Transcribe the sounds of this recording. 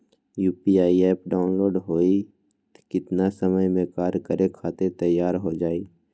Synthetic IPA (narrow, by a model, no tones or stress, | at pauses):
juːpiaːieːpɖaːʊnloːɾɖɦoːi | t̪kɪt̪nasəməjmẽkaːɾkəɾekʰaːt̪ẽt̪əjːaːɾɦod͡ʒaːiː